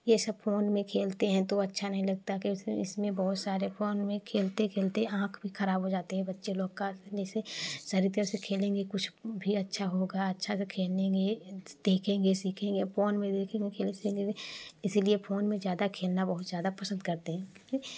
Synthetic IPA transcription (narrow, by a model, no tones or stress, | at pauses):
jesɐb̚foːnmẽkʰeːlt̪eɦɛ̃t̪oɐtːʃʰanɐɦĩlɐɡ̚t̪akesɪ̰smẽbɔɦʊt̪saːɾefʰoːnmẽkʰeːlt̪ekʰeːlt̪eɦɛ̃ãːkʰbʱixʰɐɾaːbɦod͡ʒaːt̪eɦɛ̃bɐtːʃeloːɡ̚kaslesesɐɾit̪asekʰeːlẽːŋɡekʊt͡ʃʰbʱiɐtːʃʰaɦoɡaɐtːʃʰasekʰeːlẽːɡed̪̥eːkʰẽːɡesiːkʰẽːŋɡepoːnmẽd̪eːkʰẽːŋɡekʰeːlesẽɡeɪsliefʰoːnmẽzjaːd̪akʰeːlnabɐɦʊt̪zjaːd̪apɐsə̃nd̪kɐɾt̪eɦɛ̃kːki